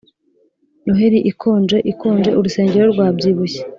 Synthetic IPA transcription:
noɦeɾiʔikʰoːnd͡ʒe̞ʔikoːnd͡ʒe̞ʔuɾuse̞ːɲɟe̞ɾo̞ɾɡwaːbɟiːβuçe̥

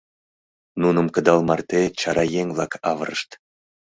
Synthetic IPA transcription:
nunəmkə̆d̪ɑlmɑrt̪et͡ɕɑɾɑjeŋvlˠɑkɑvəɾə̰ʃt̪

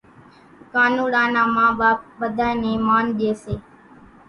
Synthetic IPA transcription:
kaːnũːɽãːnaːmãːɓaːp̚ɓəd̪ʱaːenẽːmaːnʄeːseː

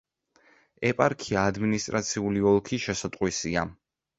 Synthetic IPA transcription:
ɛpʼaɾkʰiaːd̪minist̪ʼɾat̪sʰiuliɔlˠkʰiʃɛsat̪ʼqʼwisia

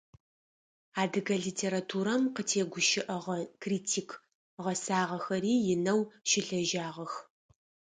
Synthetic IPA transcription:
aːdɨɡɐɮiːtʰeːɾatʰuːɾɐmqətʰeːɡʷʊʃɪʔɐʁɐkriːtʰiːkʰ | ʁɐsaːʁɐxɐɾiːjɪnɐwʃɪɬɐʒaːʁɐx

